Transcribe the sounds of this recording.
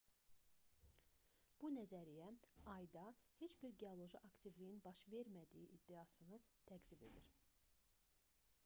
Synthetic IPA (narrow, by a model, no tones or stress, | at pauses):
b̥unæzæɾijæɑjd̪ɑhe̞t͡ʃbiɾɡe̞olˠo̞ʒiʔɑkt̪ʰivlijinbɑʃve̞ɾmæd̪ijiʔːd̪ːiɑsɯnɯt̪ʰæɡzibe̞̰d̪iɾ